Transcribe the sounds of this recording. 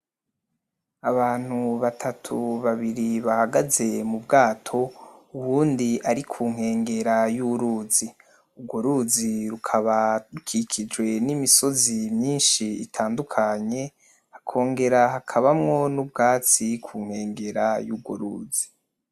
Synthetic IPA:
aβaːn̥huβatʰatʰuβaβiɾiβahaɡaze̞mubɡaːtʰo̞uβuːndiʔaɾikʰuːŋ̥he̞ːŋɡe̞ɾajuɾuːzi | uɡoɾuːziɾukʰaβaɾukʰikʰid͡ʒɡwe̞nimiso̞zimɲiːnʃiitʰaːndukʰaɲe̞ | akʰo̞ːŋɡe̞ɾaɦakʰaβamŋo̞nub̚ɡaːt͡sikʰuːŋ̥he̞ːŋɡe̞ɾajuɡwo̰ɾuːz̥i̥

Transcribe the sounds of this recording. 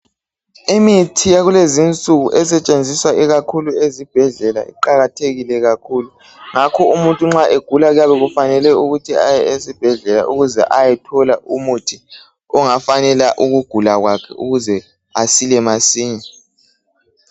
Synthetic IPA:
imitʰijaɣulezint͡sʼuɣuʔɛsɛt͡ʃʼend͡zʱiswaʔiɣakʰuluezib̥ʱɛɮɛla̰ḭǃaɣatʰeɣilɛɣakʰuːlu | ŋakʰɔumuntʼuŋ͡ǁaʔeɡ̥ʱulaɣujaβɛɣufanɛlɛuɣutʰiajɛesib̥ʱɛɮɛla̰ʔuɣuzɛ̰ʔajɛtʰɔlaʔumutʰi | ɔŋafanɛlaʔuɣuɡ̥ʱulaɣwakʰɛ̰ʔuɣuzɛ | asilɛmasiːɲa

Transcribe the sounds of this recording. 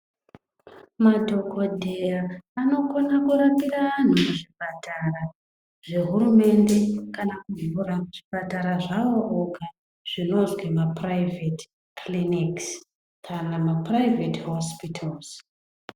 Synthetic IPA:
madʱo̞kodʱejaano̞konakuɾapiɾan̤umuʐipatʰara | ʐ̥e̞ɦuɾume̞nde̞kanakuvuramuʐipataɾaʐaoʔoka | ʐ̥ino̞zwemapraivet | kʰliniks | kʰanamaprajvetɦospitʰalz̥

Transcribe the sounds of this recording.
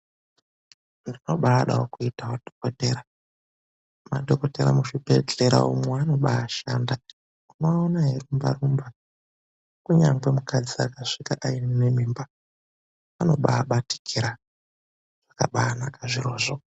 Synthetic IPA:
ndino̞ɓaːɗa̰okuitaodʱo̥koteːɾa | ma̰dʱokoteɾa̰muʃipet͡ɬeɾa̰umweano̞ɓaaʃanda | kunoːnaɦerumba̰rumba | kuɲaŋɡe̞mukad͡ziakaʂikaʔainne̞miːmba | ano̞ɓaːɓati̥kʰiɾa | ʐ̥akaɓaːnakaʐiɾoːʐo

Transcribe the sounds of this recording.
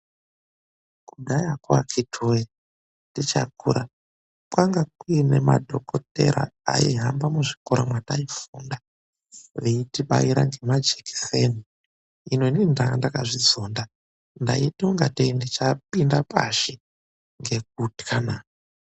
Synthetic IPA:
kuɡʱajakwa̰kʰitʰoje | ndit͡ʃa̰kuɾa | pwaŋɡakuinema̰dʱokoteɾa̰a̰ḭɦambamuʐikoɾamwataifuːnda | ʋeitiɓa̰jiɾaŋɡe̞mad͡ʒeki̥seni | ino̞nindaandakaʐid͡zoːnda | nda̰itoŋɡateindit͡ʃapindapaʃi | ŋɡe̞k̚utkʰanaː

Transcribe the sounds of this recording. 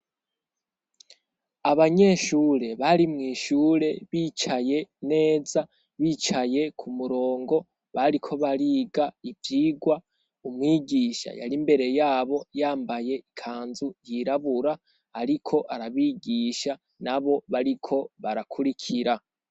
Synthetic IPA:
aβaɲe̞ʃuːɾe̞βaɾimŋiːʃuːɾe̞βiːt͡ʃaje̞ne̞ːza | βiːt͡ʃaje̞kʰumuɾo̞ːŋɡo̞ | βaɾikʰo̞βaɾiːɡaivjiːɡwa | umŋiːɡiːʃa̰ja̰ɾimbe̞ɾe̞jaːβo̞jaːmbaje̞ikʰaːnzujiɾaβuɾaː | ɾikʰo̞ʔaɾaβiːɡiʃa | naβo̞βaɾikʰo̞βaɾakʰuɾikʰiɾa

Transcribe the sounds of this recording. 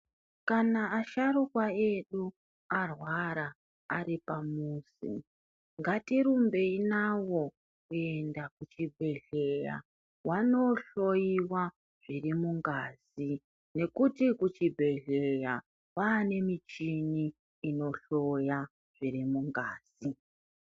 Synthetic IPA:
kanaːʃaɾukwae̞ɗu | arwaɾaː | ɾipamuːsḭ | ŋɡatiɾumbe̞inawo̞ | kue̞ndakut͡ʃibʱe̞ɮe̞ja̰ | wano̞ɬo̞jiwa | ʐirimuŋɡazi | ne̞kutikut͡ʃibʱe̞ɮeja | waːne̞mit͡ʃiniː | no̞ɬo̞ja | ʐ̥iɾimuŋɡaːz̥i

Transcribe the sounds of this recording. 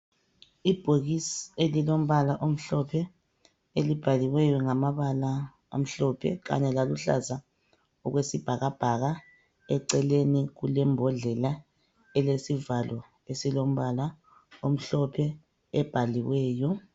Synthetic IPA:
ib̥ʱoɣisielilom̩βalaʔom̩ɬɔpʰɛ | elib̥ʱaliwɛjɔŋamaβala | a̰m̩ɬɔpʰɛ̰ɣa̰ɲɛlaluɬa̰za | ɔɣwesib̥ʱaɣab̥ʱaɣa | ɛǀɛleniɣulɛmbʱɔɮɛla | ɛlesivalɔ | esilom̩βala | om̩ɬɔpʰɛ | ɛb̥ʱaliwɛːjɔ

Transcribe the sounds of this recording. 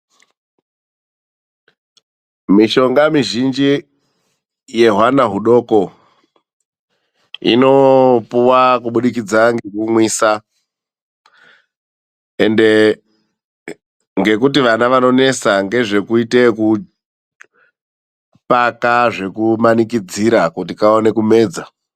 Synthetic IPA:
miʃo̞ŋɡamiʒind͡ʒi | je̞ɦwanaɦuɗo̞ːko̞ | ḭno̞puwakuɓuɗik̬id͡zaŋɡekumwiːsa | e̞nde̞ | ŋɡe̞kutiʋanaʋano̞ne̞saŋɡe̞ʐe̞kuite̞ku | pakaʐe̞kumanikid͡ziɾakutikaone̞kume̞ːd͡za

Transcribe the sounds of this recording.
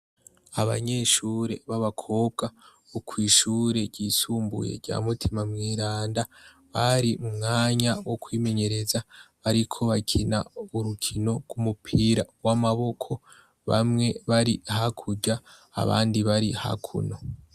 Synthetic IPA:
aβa̰ɲe̞ʃuːɾe̞βaβakʰo̞ːb̚ɡa | ukwiːʃuːɾe̞ɾɟiːsuːmbṵje̞̰ɟa̰ːmutʰimamŋiːɾaːnda | βaɾimumŋaːɲawokwiːme̞ɲe̞ɾe̞zaβaɾikʰo̞βakʰina̰uɾukʰino̞ɡ̥wumupʰiːɾa̰ɡwamaβo̞kʰo̞ | βa̰mŋe̞βaɾihakʰuɟa̰ː | βa̰ːndiβaɾiha̰kʰṵno̞

